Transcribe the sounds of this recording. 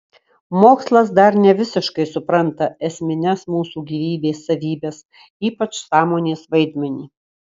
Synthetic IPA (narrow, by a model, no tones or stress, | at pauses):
moːkslˠɐsd̪ɐɾnʲɛʋʲɪsʲɪʃkɐɪsʊpɾɐnt̪ɐɛsʲmʲɪnʲɛsmuːsuːɡʲiːʋʲiːbʲeːsːɐʋʲiːbʲɛs | iːpɐt͡ʃsɑːmoːnʲeːsʋɐɪd̪ʲmʲɛnʲiː